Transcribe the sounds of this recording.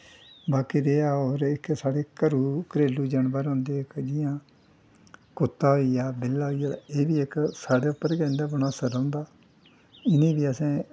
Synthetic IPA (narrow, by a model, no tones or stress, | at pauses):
baːkiːɾeːaːɔːɾɪksaːɽeːkəɾuːkəɾeːluːd͡ʒəɳbəːɾõːnd̪eːɪkd͡ʒɪjãː | kʊt̪ːaːɦoːiːjaːbɪlːaːɦoːijaːeːbiːɪksaːɽeːʊpːəɾkɛnd̪aːbənaːsəɾõːʊ̃nd̪aː | ɪnĩːbiːəsẽː